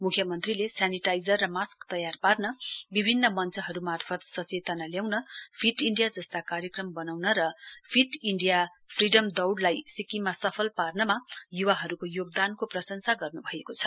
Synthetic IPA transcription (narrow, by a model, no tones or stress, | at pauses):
mukʰjʌmʌnt̪rilesaniʈajd͡zʌrːʌmaskt̪ʌjarparnʌbibʱinːʌmʌnt͡sʌɦʌɾumarpʰʌt̪sʌt͡set̪ʌnaljawnʌpʰiʈiɳɖijad͡zʌst̪akaɾjʌkrʌmbʌnawnʌɾʌpʰiʈiɳɖija | pʰriɖʌmd̪ʌwɖlajsikimasʌpʰʌlparnʌmajuwaɦʌɾukojoɡd̪ankoprʌsʌnsaɡʌrnubʱʌekot͡sʰʌ̥